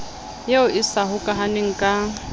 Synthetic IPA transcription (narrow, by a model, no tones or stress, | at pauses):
jeʊʔɪsaɦʊkʼaɦanɪŋ̩kʼa